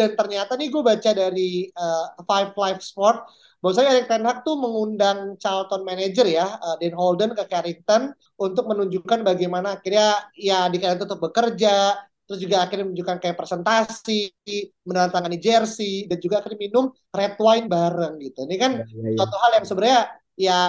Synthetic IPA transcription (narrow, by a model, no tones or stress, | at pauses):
dant̪ərɲat̪aniɡuabat͡ʃadaɾiəfajflajfspɔrt̪̚ | bawas̬aɲaaɾiŋt̪ɛnɦak̚t̪uməŋundaŋt͡ʃalt̪ɔnmaned͡ʒərjaədɛnɦɔldənkəkaɾiŋt̪ɔn | unt̪ʊk̚mənuɲd͡ʒuukanbaɡajmanaːkirɲajadikaɾiŋnt̪t̪ʊk̚bəkərd͡ʒat̪əɾʊsd͡ʒuɡaːkɪrɲənuɲd͡ʒukankajapɾesɛnt̪asimənaant̪aŋanid͡ʒɛrsidand͡ʒuɡaːkɪrɲaminʊm | rɛt̪wajnbaɾəŋɡit̪unikansat̪uɦaljaŋsəbəɾɲa | ja